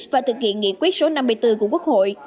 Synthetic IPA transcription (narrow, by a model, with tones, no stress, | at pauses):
vaː˨˩t̪ʰɨ˨˩k̚hḭ˧˨ənŋḭ˧˨əkwi˦˥t̚so˨˦na˧mːɨ˧əjt̪ɨ˧ku˧˩əku˦˥ək̚ho̰˧˨j